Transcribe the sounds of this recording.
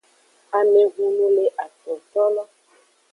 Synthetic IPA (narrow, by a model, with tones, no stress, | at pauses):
a˨me˦ɡu˦lũ˦le˦ʔa˨tɔ˨t̪ɔ˦lɔ˦